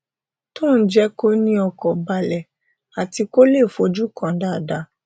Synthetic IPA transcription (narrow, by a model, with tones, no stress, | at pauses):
tõ˦˨n̩˦d͡ʒɛ˦ko˦nĩ˦ɔ˧kɔ˨ba˧lɛ˨ | a˨ti˧ko˦le˦˨fo˨˦d͡ʒu˦kã˨˦da˦˨da˨˦